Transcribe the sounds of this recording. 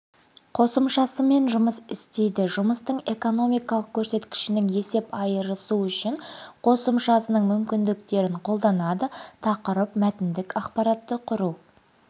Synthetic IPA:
qʰo̞səmʃɑsəme̞nʒʊməsɪst̪e̞jd̪ɪʒʊməst̪əɴe̞ko̞no̞mijkɑlˠəq̚kʲʰɵɾse̞t̪kʲɪ̥ʃɪnɪŋje̞se̞pɑjəɾəsuʏʃɪɴqʰo̞səmʃɑsənəɴmʏmkʲɪnd̪ɪkt̪e̞ɾɪɴqʰo̞lˠd̪ɑnɑd̪ət̪ʰɑqəɾəpmæt̪ɪnd̪ɪkɑqpɑɾɑt̪ːəqʰʊɾu

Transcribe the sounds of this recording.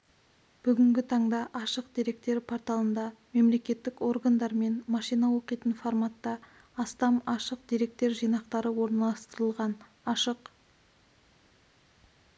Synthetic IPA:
b̥ʏɡʲɪŋɡʲɪt̪ʰɑɴd̪ɑʔɑʃəq̚d̪̥iɾe̞k̚t̪e̞ɾpʰo̞ɾt̪ɑlˠənd̪ɑme̞mle̞kʲe̞t̪ːɪko̞rɡand̪ɑɾme̞nmɑʃijnɑwo̞qijt̪ənformat̪ːɑː | st̪ɑmɑʃəq̚d̪̥iɾe̞k̚t̪e̞ɾʒijnɑqt̪ɑɾəwo̞ɾnɑlˠɑst̪əɾəlˠʁɑn | ɑʃəq

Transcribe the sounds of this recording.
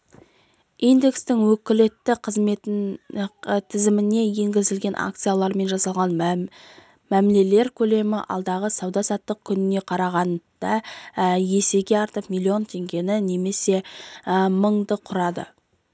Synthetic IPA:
ijnd̪e̞kst̪ɪŋwɵkʲɪle̞t̪ːɪqʰəzme̞t̪ | t̪ʰɪzɪmɪne̞je̞ŋɡʲɪzɪlɡʲe̞nʔa̰k̚t̪sɨjalˠɑɾme̞nʒɑsɑlˠʁɑn | mæmle̞le̞ɾkʲʰɵle̞mɪ̰ʔɑ̰lˠd̪ɑʁəsɑwd̪ɑsɑt̪ːəq̚kʲʰʏnɪne̞qʰɑɾɑʁɑnd̪̥ɑ | je̞se̞ɡʲe̞ɑɾt̪əpmilʲˠio̞nt̪ʰe̞ŋɡʲe̞nɪne̞me̞se̞ | məɴd̪əqʰʊɾɑd̪ə̰

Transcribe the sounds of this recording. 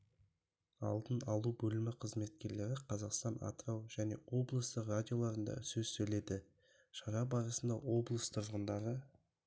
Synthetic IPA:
ɑ̰lˠd̪ənɑlˠubɵlɪmɪqʰəzme̞t̪̚kʲe̞ɾle̞ɾɪqʰɑzɑqst̪ɑna̰t̪ɾɑwʒæne̞̰wo̞blˠəst̪əqradʲijo̞lˠɑɾənd̪ɑ̰sɵzsɵjle̞d̪ɪ | ʃɑɾɑbɑɾəsənd̪ɑwo̞blˠəst̪ʰʊɾʁənd̪ɑɾə

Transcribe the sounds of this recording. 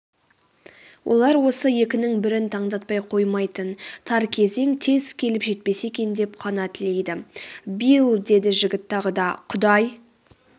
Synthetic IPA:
wʔo̞̰lˠɑɾwo̞səje̞kʲɪnɪŋbɪɾɪnt̪ʰɑɴd̪ɑt̪̚pɑjqʰo̞jmɑjt̪ənt̪ʰɑɾkʲʰe̞ze̞ŋt̪ʰe̞zkʲʰe̞lɪpʒe̞t̪̚pe̞se̞kʲe̞nd̪e̞pqʰɑnɑt̪ɪle̞jd̪ɪbilˠd̪e̞d̪ɪʒɪɡʲɪt̪ːɑʁəd̪ɑqʰʊd̪ɑj

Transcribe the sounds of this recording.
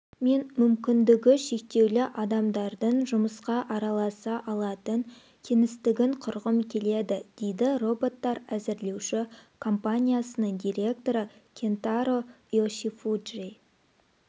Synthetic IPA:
me̞nmʏmkʲɪnd̪ɪɡʲɪʃe̞k̚t̪e̞wlɪʔɑd̪ɑmd̪ɑɾd̪əɴʒʊməsqɑʔɑɾɑlˠɑsɑʔɑlˠɑt̪əŋ | kʲʰenɪst̪ɪɡʲɪɴqʰʊɾʁəmkʲʰe̞le̞d̪ɪd̪̥e̞jd̪ɪro̞bo̞t̪ːɑɾæzɪɾle̞wʃɪkʰo̞mpanʲijasənəɴd̪ijɾʲe̞k̚t̪o̞ɾəkʲʰe̞nt̪aɾo̞ | joʃifud̪ʒej

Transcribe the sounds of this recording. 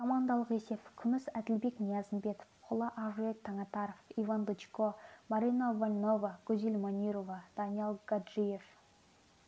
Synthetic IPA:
kʰomɑnd̪ɑlˠəqese̞fkʲʰʏmɪsæd̪ɪlbe̞knijɑzənbe̞t̪o̥fqʰʊlˠɑʔɑʒuek̚t̪ʰːɑŋɑt̪ɑɾofivand̪ət͡ʃkomaɾinavalʲno̞vɑɡɵzilʲmanʲijɾovɑd̪̥ɑnijalˠɡ̥ad̪ʒije̞f

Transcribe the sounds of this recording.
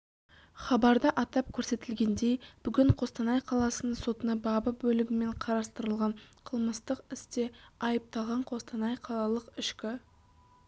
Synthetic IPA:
χɑbɑɾd̪əʔɑt̪ɑp̚kʲʰɵɾse̞t̪ɪlɡʲe̞nd̪e̞jb̥ʏɡʲɪɴqʰo̞st̪ɑnɑjqʰɑlˠɑsənəɴso̞t̪ənɑbɑbəbɵlɪɡʲɪme̞ɴqʰɑɾɑst̪əɾəlˠʁɑɴqʰəlˠməst̪əqɪst̪e̞ɑjəp̚t̪ɑlˠʁɑɴqʰo̞st̪ɑnɑjqʰɑlˠɑlˠəqɪʃkʲɪ

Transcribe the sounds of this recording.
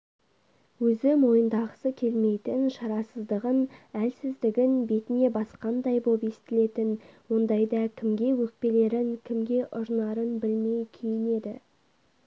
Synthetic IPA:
wɵzɪmo̞jənd̪ɑʁəsəkʲʰe̞lme̞jt̪ɪnʃɑɾɑsəzd̪əʁənælsɪzd̪ɪɡʲɪnbe̞t̪ɪne̞bɑsqɑnd̪ɑjbo̞pest̪ɪle̞t̪ɪnwo̞nd̪ɑjd̪ɑkʲʰɪmɡʲe̞wɵk̚pe̞le̞ɾɪŋkʲʰɪmɡʲe̞ʔʊɾnɑɾənbɪlme̞jkʲʰejɪne̞d̪ɪ̰

